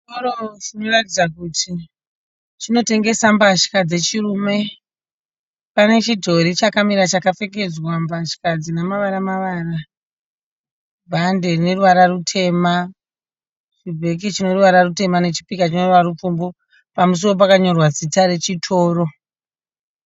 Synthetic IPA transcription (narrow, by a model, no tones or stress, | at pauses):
t͡ʃitoɾot͡ʃino̞ratid͡zakutʰi | t͡ʃino̞te̞ŋɡe̞sambaʃi̥kad͡ze̞t͡ʃirume̞ | pane̞t͡ʃidʱo̞ɾit͡ʃakamiɾat͡ʃakafe̞ke̞d͡zwambaʃi̥kad͡zinamaʋaɾamaʋaːra | bʱande̞rine̞ruʋaɾarutʰe̞ma | t͡ʃibʱe̞k̬it͡ʃino̞ruʋaɾarute̞mane̞t͡ʃi̥pikat͡ʃino̞uʋaɾup͡fumbo | pamus̬owop̬akaɲo̞rwad͡zitaɾe̞t͡ʃitʰo̞ːɾo̞